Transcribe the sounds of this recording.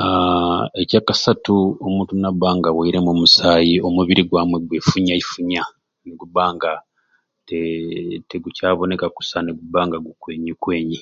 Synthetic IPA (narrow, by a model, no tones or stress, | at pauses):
aecaːkasatuomũːntunabaːŋɡaweiɾe̞mumusaːjio̞muβiɾiɡwaːmwe̞ɡwefuɲaifuɲa | neɡuβaːŋɡa | teteɡucaːβo̞nekaku̥saneɡubaːŋɡaɡukwe̞ːɲikweːɲi